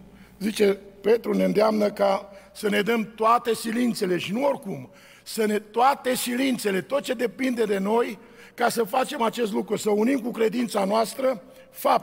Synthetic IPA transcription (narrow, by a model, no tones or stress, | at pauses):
zit͡ʃe̞pe̞t̪ɾuneɨnd̪eamnəkasəne̞d̪əmt̪oat̪e̞silint̪se̞le̞ʃinuo̞rkum | sənet̪oat̪e̞silint̪se̞le̞t̪o̞t̪̚t͡ʃe̞d̪e̞pind̪e̞d̪e̞no̞j | kasəfat͡ʃe̞mat͡ʃe̞st̪lukɾusəunimkukɾe̞d̪int̪sanoast̪ɾə | fap̚